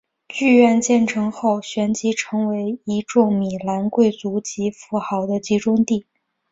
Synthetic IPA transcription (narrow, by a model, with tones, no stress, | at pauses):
t͡ɕy˥˧ɥɛ˥˧nt͡ɕjɛ˥˩nʈ͡ʂʰɤ˧˥ŋxo˥˩ʊɕɥɛ˧˥nt͡ɕi˧˥ʈ͡ʂʰɤ˧˥ŋwe˧˥ɪi˧˥ʈ͡ʂʊ˥˩ŋmi˨˩la˧˥nkwe˥˩ɪt͡su˧˥t͡ɕi˧˥fu˧˥xɑ˧˥ʊd̪ə˧t͡ɕi˧˥ʈ͡ʂʊ˥ŋt̪i˥˩